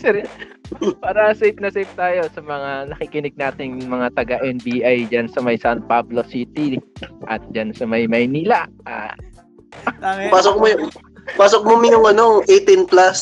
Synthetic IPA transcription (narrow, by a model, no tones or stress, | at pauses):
sɛɾ | paːɾɐsejp̚nɐsɛjp̚t̪aːjo̞sɐmɐŋanɐkɪkɪnɪɡ̚naːt̪ɪŋmɐŋat̪ɐɡaʔɛnbiːʔajd͡ʒansɐmɐjsant̪̚pablo̞siːt̪iʔɐ̰t̪̚d͡ʒansɐmɐjmɐjniːlɐʔa̰ː | paːsokmojʊ | paːsok̚momɪjʊŋɐnoʔejt̪ɪnplas